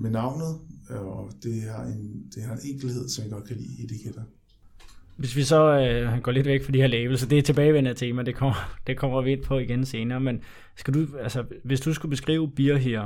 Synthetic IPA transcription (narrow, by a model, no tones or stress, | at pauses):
menɑ̈ʊ̰nð̩ˠ | d̥e̝ɑ̈end̥e̝æeneŋ̰ɡ̥l̩he̝ð̞̰ˠsɒ̽mjaɡ̥ɒ̽d̥̚kʰælḭːid̥ekʰed̥ɐ | ʋe̝sʋisɒ̽ɡ̥ɒ̰le̝d̥ʋeɡ̥fɑdihe̝ɐlɛːʋl̩səd̥e̝æɐt͡sʰe̝b̥ɛːɪʋent͡sʰe̝ːmɐd̥e̝kʰɒm̰ɐd̥ekʰɒ̽m̰ɐʋie̝d̥pʰɒ̽iɡ̥ense̝ːnɐːmen | sɡ̥æduælsəʋe̝sd̥usɡ̥ub̥e̝sɡ̥ʁḭːʊb̥iɐɦiɐ̰